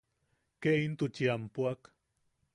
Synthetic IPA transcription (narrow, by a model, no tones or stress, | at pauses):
keint̪ʊt͡ʃiampuak